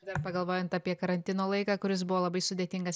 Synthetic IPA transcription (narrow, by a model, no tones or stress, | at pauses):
d̪ɐɾpɐɡɐlˠʋoːjɛnt̪ɐpʲiɛkɐɾɐnʲt̪ʲɪnoːlˠɐɪkɑːkʊɾʲɪsbʊʋoːlˠɐbɐɪsʊd̪ʲeːt̪ʲɪŋɡɐs